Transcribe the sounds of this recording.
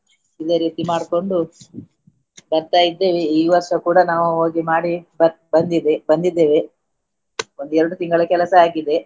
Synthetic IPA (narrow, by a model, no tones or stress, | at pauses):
id̪eːɾiːt̪imaːɽko̞ɳɖu | bɐɾt̪aːjid̪ːe̞ːʋeiːʋɐɾʂɐkuːɽɐnaːʋuoːɡimaːɽibɐbɐnd̪id̪ebɐnd̪id̪ːe̞ːʋe | o̞nd̪uɛɾɐɽut̪iŋɡɐɭɐkɛlɐsɐaːɡid̪e